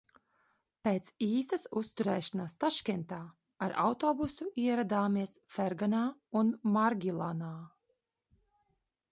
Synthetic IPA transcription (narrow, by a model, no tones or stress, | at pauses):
peːt̪siːsasust̪uɾɛːʃanasːt̪aʃkʲɛnt̪aː | aɾa̰wt̪ɔːbusuʔiɛɾad̪aːmiɛsfɛɾɡanaːunmaɾɡʲilˠanaː